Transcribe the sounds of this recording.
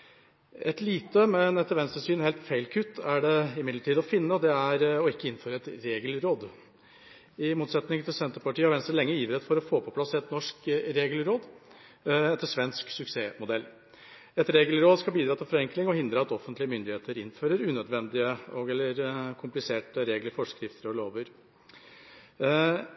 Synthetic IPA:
ɛt̪liːt̪əmɛnɛt̪ːəɾʋɛnst̪əsyːnheːlt̪feɪlkʰʉt̪ːæɖɛɪmɪd̪ləʈʰiːd̪ɔfɪnːəɔd̪ɛæɾɔɪkːəɪnføːɾəɛt̪ɾeːɡəlɾoːd̪ | ɪmuːt̪sɛt̪nɪŋt̪ʰɪlsɛnt̪əɾpɑʈiːəʋɛnst̪ɾəlɛŋːəjiːʋəɾɛt̪fɔɾɔfoːpʰɔpʰlɑsɛt̪nɔʂkɾeːɡəlɾoːd̪ | ɛt̪ːəʂʋɛnsksʉkseːmʊd̪ɛlː | ɛt̪ɾeːɡəlɾoːd̪skɑlbiːd̪ɾɑːt̪ɪlfɔɾɛŋklɪŋɔhɪnd̪ɾɑɑt̪ɔfːənt̪lɪəmʏnd̪ɪheːt̪əɾɪnføːɾəɾʉːnœd̪ʋɛnd̪ɪəɔɡɛlːəɾkʰʊmplɪseːʈəɾeːɡləɾfɔʂkɾɪft̪əɾɔloːʋəɾ

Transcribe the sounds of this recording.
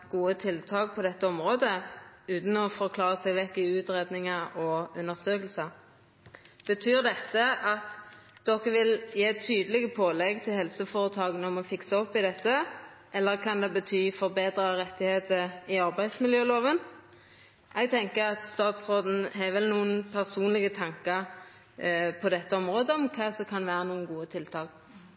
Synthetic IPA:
ɡ̥uːət̪ʰɪlt̪ʰɑːk̚pʰɔd̪ɛt̪ːəɔmʁoːd̪əʉːt̪n̩ɔfɔɾkʰlɑːʁəsɛɡʋɛkːɪʉːt̪ʁeːd̪nɪŋəɔʉnːəʁsøːkəlsɑ | b̥ət̪ʰyːʁd̪ɛt̪ːəʔɑt̪ | d̪̥ɔkːəʋɪljeːt̪ʰyːd̪əlɪɡəpʰoːlɛɡt̪ʰɪlhɛlsəfoːʁət̪ʰɑːɡənəɔmɔfɪksəɔpːɪd̪ɛt̪ːə | ʔɛlːəʁkʰɑnd̪ɛbət̪ʰyːfɔʁbeːd̪ɾəʁɛt̪ːɪheːt̪əɪɑʁbæɪd̪smɪljøːloːʋən | ʔɛɡ̚t̪ʰɛŋkəɾɑt̪st̪ɑːt̪sʁoːd̪n̩ɦɛʋɛlnuːənpʰæʁsuːnlɪɡət̪ʰɑŋkəɾ | pʰɔd̪ɛt̪ːəɔmʁoːd̪əɔmkʰɑsɔkʰɑnʋæːɾənuːənɡuːət̪ʰɪlt̪ʰɑːk

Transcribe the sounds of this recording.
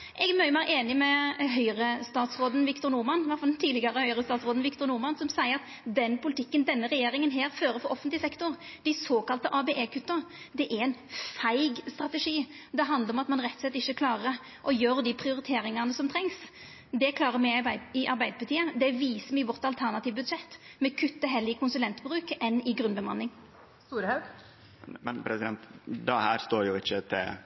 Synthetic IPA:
ʔɛɡɛmœʏʊmæɪʔeːnɪmɛɦœʏɾəst̪ɑːt̪sʁoːd̪n̩ʋɪkt̪ʊɾnʊʁmɑnʋɑʁt̪fɑlt̪ʰiːd̪lɪɡɑɾəhœʏɾəst̪ɑːt̪sʁoːd̪n̩ʋɪkt̪ʊɾnʊɾmɑnsɔmsæɪəɾɑt̪ | d̪ɛnːpʊlɪt̪ʰɪkːənd̪ɛnːəɾɛjeːɾɪŋənɦeːɾføːɾəfɔɾʔɔfːənt̪lɪsɛkt̪ʊɾd̪ɪsoːkɑlt̪əʔɑːbeʔeːkʉt̪ːəɾ | d̪ɛʔæɾɛɪnfæɪɡst̪ɾɑt̪əʂiː | d̪ɛɦɑnd̪əɾɔmɑt̪mɑnɾɛt̪ːsɛt̪ːɪçːəkʰlɑːʁə | ʔɔjøːɾd̪ɪpʰʁɪʊɾɪt̪ʰeːɾɪŋɑnəsɔmt̪ʰɾɛŋs | d̪ɛkʰlɑːɾəmɛɪɪʔɑɾbæɪd̪əpʰɑt̪ʰiːəd̪ɛʋiːsəmɪʋɔʁt̪ɑlt̪ʰæʁnɑt̪iːʋbʉd̪ʂɛt̪ːmɛkʰʉt̪ːəɦɛlːɪkʰʊnsʉlɛnt̪bɾʉːkɛnːɪɡɾʉnbəmɑnːɪŋ | st̪uːɾəhɑʉɡ̥ | mɛnpʰɾɛsɪd̪ɛnt̪d̪ɛhæːɾst̪oːɾjʊɪçːət̪ʰɪ̰

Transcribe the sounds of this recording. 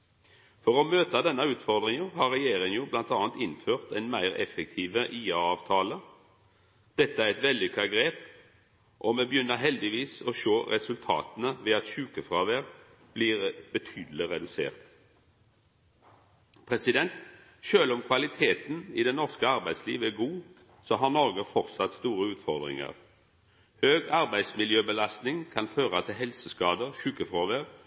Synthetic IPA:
fɔʁɔmøːt̪ɑd̪ɛnːɑʉːt̪fɔʁd̪ʁɪŋəhɑːʁɛjeːʁɪŋəjuːblɑnt̪ɑːnt̪ɪnføːʁt̪ɛɪnmæɪʁɛ̰fɛk̚t̪ʰiːʋəʔiːɑɑːʋt̪ʰɑːlə | d̪̥ɛt̪ːəæʁɛt̪ʋɛld̪ɪkʰɑɡɾeːp | ʔɔmɛbəjʏnːəɦɛld̪ɪʋiːsɔʃoːʁɛsʉlt̪ʰɑ̰ːt̪ənəʋɛɑt̪ʃʉːkəfʁɑːʋæːʁ | b̥liːʁbət̪ʰyːd̪l̩ɪʁɛd̪ʉsḛːʁt̪ | pʰʁɛsɪd̪ɛnt̪ | ʃøːlɔmkʰʋɑlɪt̪ʰeːt̪n̩ɪd̪ɛnɔʁskəɑʁbæɪd̪slḭːʋæɡuː | sɔɦɑʁnɔʁɡəfɔʁt̪sɑt̪st̪uːɾəʉːt̪fɔʁd̪ʁɪ̰ŋə̰ʁ | høːɡɑʁbæɪd̪smɪljøːbəlɑst̪nɪŋkʰɑnføːɾət̪ʰɪlɦɛlsəskɑːd̪əʁʃʉːkəfɾoːʋeʁ

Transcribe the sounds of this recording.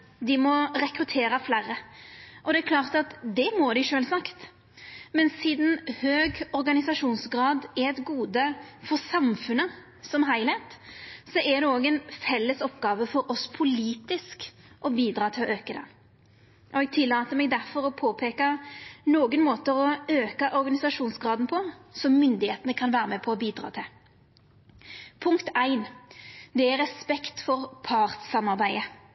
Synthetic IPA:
d̪ɪmɔɾɛkɾʉt̪ʰeːɾɑflæːɾəʔɔd̪ɛækʰlɑːʁt̪ɑt̪d̪ɛmod̪ɪʂøːlsɑkt̪ | mɛnsiːd̪n̩høːɡɔɾɡɑnɪsɑʂuːnsɡɾɑːd̪ɛɾɛt̪ɡuːd̪əfɔɾsɑmfʉnːə | sɔmɦæɪlhɛɪt̪sɔʔɛd̪ɛoːɡɛnfɛlːəsɔpɡɑːʋəfɔɾɔspʰʊliːt̪ɪsk | ʔɔbiːd̪ɾɑːt̪ʰɪlɔʔøːkəd̪ɛ̰ | ʔɔɛɡ̚t̪ʰɪlːɑːt̪əmɛːɡd̪æɾfɔɾɔpʰoːpʰeːkɑnoːɡənmoːt̪əɔøːkɑʔɔɾɡɑnɪsɑʂuːnsɡɾɑːd̪n̩pʰɔsɔmːʏnd̪ɪheːt̪ənəkʰɑnʋæːɾəmɛpʰɔɔbiːd̪ɾɑ̰ːt̪ʰɪl | pʰʊŋkt̪æɪnd̪ɛæɾɛspɛkt̪fɔʁpʰɑʁt̪sɑmɑɾbæɪə

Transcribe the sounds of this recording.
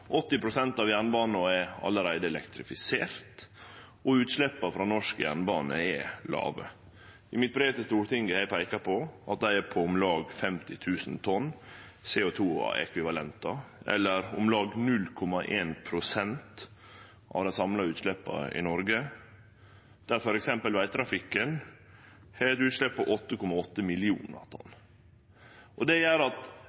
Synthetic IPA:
ʔɔt̪ːɪpʰɾʊsɛnt̪ɑʋjæɳbɑːnɑɛɑ̰lːəɾæɪd̪əɛlɛkt̪ɾɪfɪseːɾt̪ | ɔʉːt̪ʂlɛpːɑfɾɑːnɔʂkəjæ̰ɳbɑːnəɛlɑ̰ːʋə̰ | ɪmɪt̪̚bɾeːʋt̪əst̪uːɾt̪ɪŋɡəhæɪpʰæɪkɑpʰɔʔɑt̪̚d̪æɪɛɾpʰɔʊmlɑːɡfɛmt̪ɪt̪ʰʉːsn̩t̪ʰɔnː | seːʊt̪ʰṵːɛ̰kʰʋɪʋɑlɛnt̪ɑʔɛ̰lːəɾʊ̰mlɑːɡnʉlːkʰɔmɑʔeːnpʰɾʊsɛnt̪ | ʔɑ̰ʋd̪æɪsɑmlɑʉːt̪ʂlɛpːɑ̰ɪ̰nɔɾɡə | d̪̥æɾfɔɾɛksɛmpəlʋæɪt̪t̪ʰɾɑfɪkːən | hæɛt̪ʉːt̪ʂɭɛppʰːɔʔɔt̪ːəkʰɔmɑɔt̪ːəmɪlɪṵːnɑ̰ɾt̪ʰɔ̰nː | ʔɔd̪ɛjæːɾɑt̪

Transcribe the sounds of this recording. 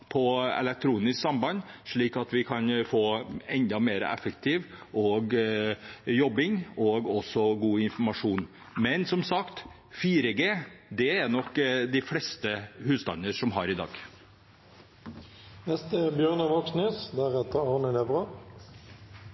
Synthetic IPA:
pʰɔɛ̰lɛk̚t̪ʰɾuːnɪsksɑmbɑnʂɭiːkɑt̪ʋɪkʰɑnfoːɛnd̪ɑmeːɾə̰ʔɛ̰fəkt̪ʰɪʋʔɔɡ | jɔbːɪŋɔɡɔsɔɡuːɪnfɔmɑʂuːn | mɛnsɔmsɑkt̪ | fiːɾəɡeːd̪ɛæɾnɔkːd̪ɪflɽɛst̪əhʉːsd̪ɑ̰nəʂɔmɦɑɾɪd̪ɑ̰ːɡ | nɛst̪ebjøːʁnəʋɔksnyːsd̪æʁɛt̪əɑʁnəlɛbʁə

